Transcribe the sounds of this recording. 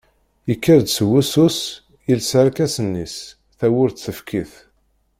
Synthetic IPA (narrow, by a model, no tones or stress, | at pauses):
jəkːəɾd̪səwːusus | jilsəɾˤkæsənːis | θæwʊɾt̪θəfkʰiθ